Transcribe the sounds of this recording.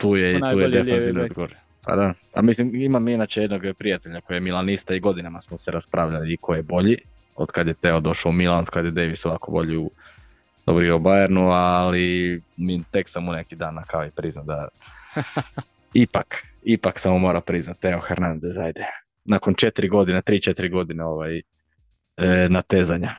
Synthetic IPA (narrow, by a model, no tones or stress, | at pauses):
t̪uːjeit̪uːjed̪efainod̪ɡoɾ | pa̰d̪a | a̰mislimimaminat͡ʃejed̪noɡpɾijat̪eʎako̞jejemilˠanist̪aiɡo̞d̪inamasmoseɾaspɾʔaːʋʎaliːkʰojebo̞ʎi | od̪kad̪jet̪eod̪o̞ʃaumilˠanod̪kad̪jed̪eʋisoʋakobo̞ʎiu | d̪̥obɾiobajeɾnualimit̪eksamunekid̪aːnːakaojepɾiznad̪a | ipakipaksamumo̞ːɾapɾiznat̪eoxeɾnand̪ezajd̪e | nakont͡ʃet̪ɾiɡo̞d̪inet̪ɾiːt͡ʃet̪ɾiɡo̞d̪ineoʋaj | nat̪eːzaɲa